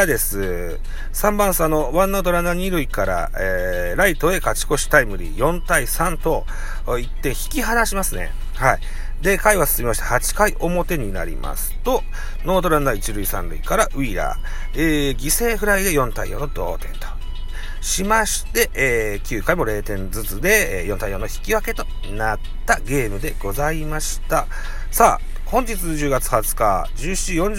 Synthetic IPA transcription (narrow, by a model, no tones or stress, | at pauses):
d̪e̞sɨ | sãmbãɰ̃sanːoβãnːo̞ːd̪o̞ɾanːaɲ̟iɾɯ̟ikaɾa̰ | e | ɾait̪o̞e̞kat͡ɕi̥ko̞ɕi̥t̪aimɯ̟ɾʲḭjõ̞nt̪aisãnt̪o̞ | it̪ːẽ̞ɰ̃çi̥kʲiɦanaɕimasɨne̞̰ | hai | d̪e̞kaiβasɨ̥sɨmʲimaɕi̥t̪ahat͡ɕi̥kaiʔo̞mo̞t̪e̞ɲ̟ina̰ɾʲḭma̰sɨ̥t̪o̞ | no̞ːd̪o̞ɾanːait͡ɕiɾɯ̟isã̰nɾɯ̟ikaɾaʔɯ̟iɾa̰ | eːɡʲise̞ːɸɯ̟ɾaid̪e̞jõ̞nt̪aj̰o̞̰ːno̞d̪o̞̰ːt̪ẽ̞̰nt̪o̥ | ɕimaɕi̥t̪e̞ʔeː | kʲɨːkaimo̞ɾe̞ːt̪ẽ̞nd͡zɨt͡sɨd̪e̞ːjont̪ajo̞ːnoçi̥kʲiβake̞t̪o̞ | nat̪ːaɡe̞ːmɯ̟d̪e̞ɡ̥o̞zaimaɕi̥t̪a | saː | hõ̞ɲ̟d͡ʑit͡sɨʑɨːɡat͡sɨ̥hat͡sɨ̥kad͡ʑɨːi̥t͡ɕijõ̞ɲ̟